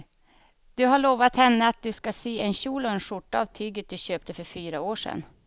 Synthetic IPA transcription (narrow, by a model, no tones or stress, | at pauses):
d̪̥ɵɦaɭoːvat̪hɛnːəat̪̚d̪ɵskaseːɛnɕuːlɔɛnʂʊʈːaːvt̪ʰyːɡət̪̚d̪ɵɕøːp̚t̪əfœɾfyːɾaoːʂɛ̰n